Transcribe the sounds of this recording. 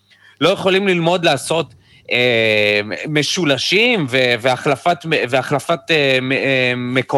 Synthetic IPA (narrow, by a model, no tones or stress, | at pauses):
lo̞jeχo̞limlilmo̞d̪laːso̞t̪ | e | meʃulaʃimveveaχlafat̪veaχlafat̪e | me̞ko